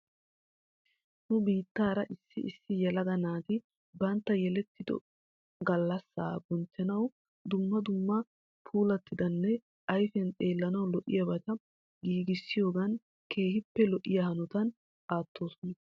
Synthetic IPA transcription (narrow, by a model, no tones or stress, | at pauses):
nʊbiːt̪ːaːɾɐʔɪsːɪʔɪsːɪjɛlɐɡɐnaːt̪ɪ | bɐnt̪ːɐjɛlɛt̪ːɪd̪ɔ̰ | ɡɐlːɐsːa̰ːɡʊnt͡ʃːɛnɐw | d̪ʊmːɐd̪ʊmːɐ | pʰuːlɐt̪ːɪd̪ɐnːɛ | ʔɐjfɛnt̪ʼe̞ːlːɐnɐwlɔʔɪjɐbɐt̪ɐ | ɡiːɡɪsːɪjo̞ːɡɐn | ke̞ːhɪpːɛlɔʔːɪjɐhɐnɔt̪ɐn | ʔaːt̪ʰːo̞ːsɔnɐ